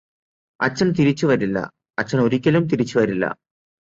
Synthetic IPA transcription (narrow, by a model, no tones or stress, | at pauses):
ɐt͡ɕːɐnt̪iɾit͡ɕːuʋɐɾilːɐ̰ | ɐt͡ɕːɐno̞ɾikʲːɐlumt̪̬iɾit͡ɕːuʋɐɾilːɐ̰